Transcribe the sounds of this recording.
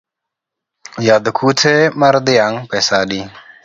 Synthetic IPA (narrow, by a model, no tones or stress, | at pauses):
jad̪kʰut͡sʰemaɾd̪iaŋpɛsaɗi